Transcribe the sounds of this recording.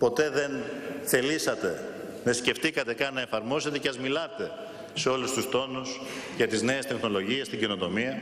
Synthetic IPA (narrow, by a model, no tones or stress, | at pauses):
po̞t̪e̞ðe̞nθe̞lisɐt̪e̞nesce̞ft̪ikɐt̪e̞kɐnːɐefɐɾmo̞set̪e̞ceɐzmilɐt̪e̞ | se̞o̞lust̪ust̪o̞nusʝɐt̪izne̞est̪e̞xno̞lo̞ʝie̞st̪iɲɟino̞t̪o̞miɐ